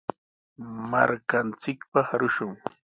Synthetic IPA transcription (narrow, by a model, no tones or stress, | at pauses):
maɾkant͡sɪkpɑχɾʊʃʊŋ